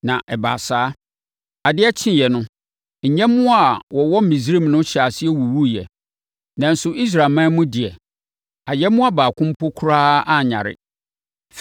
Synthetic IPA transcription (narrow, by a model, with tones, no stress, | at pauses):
nã˨ʔɛ˨ba̰˨saː˦ | a˨dɪ˦ɛ˦t͡ɕʰɪ̃˦˨jɛ˨nʊ̃˦ | ɲ̩˨ɲɛ̃˦mʊ̃˦a˨wɔ˨wɔ˦m̩˦mĩ˨s̬ɾĩ˦˨mnʊ̃˦ɕa˨sɪ˦ɛ˦wu˨wu˦jɛ̰˨ | nã˨n̩˨sʊ˨ʔi˦s̬ɾa˨mã˦mʊ̃˦dɪ˨ɛ˨ | a˨jɛ˦mʊ̃˦a˦baː˨kʰʊ̃˦m̩˦pʰo˦kʰu˦ɾaː˦ʔa˦ɲã̰˨ɾɪ̰˦ | f